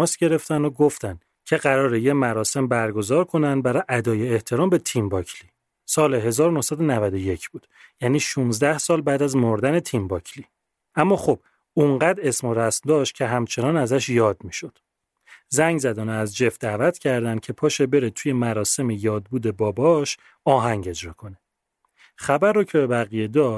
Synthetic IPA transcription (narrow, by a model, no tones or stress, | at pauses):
sɟe̞ɾe̞ft̪ænd̪oɡo̞ft̪ænd̪ | cʰe̞ɣæɾɒːɾejemæɾɒːse̞mbæɾɡo̞zɒːɾkʰo̞nænd̪bæɾɒːʔæd̪ɒːjeːht̪ʰe̞ɾɒːmbe̞t̪ʰimbɒːcʰli | sɒːleɦe̞zɒːɾonohsæd̪onævæd̪o̞je̞cʰb̥uːd̪jæːniːʃuːnzd̪æhsɒːlbæːd̪æzmoɾd̪æne̞t̪ʰimbɒcʰliː | ʔæmːɒːxob̥ | uɴɢæd̪esmoɾæsmd̪ɒːʃt̪̚cʰe̞ɦæmt͡ʃʰe̞nɒːnæzæʃjɒːd̪miːʃo̞d̪̥ | zæŋɡɟzæd̪ɒːneæzd͡ʒe̞f̚d̪æːvæt̪ʰcʰæɾd̪ænd̪̥̚cʰe̞pʰɒːʃebe̞ɾet̪ʰuːje̞mæɾɒːse̞mejɒːd̪̚buːd̪e̞bɒːbɒʃ | ɒːɦæŋɟe̞d͡ʒɾɒːkʰo̞ne | χæbæɾːocʰebebæɣijed̪ɒː